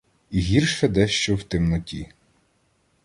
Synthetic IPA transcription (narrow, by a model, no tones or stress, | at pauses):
iɦʲirʃɛd̪ɛʃt͡ʃɔwt̪ɪmnɔtʲḭ